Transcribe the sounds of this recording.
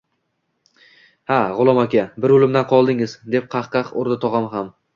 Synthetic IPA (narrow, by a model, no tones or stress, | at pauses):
haʁʊlˠɒmakʲabɪɾolˠɪmd̪anqʰɒlˠd̪ɪŋɪzd̪e̞p̚qʰɑχqɑqoɾd̪ɪt̪ʰɒʁɑmɦam